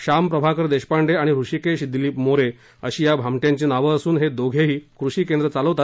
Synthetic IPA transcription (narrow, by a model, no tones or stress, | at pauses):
ɕampɾəbʱakəɾd̪eɕpaɳɖeaɽ̃iɾuɕikeɕd̪iliːpmoɾe | əɕiːjabʱamʈjãɲt͡ɕenaʋəəsuːnɦed̪oɡʱeɦiːkɾuɕiːkend̪ɾət͡saləʋt̪at̪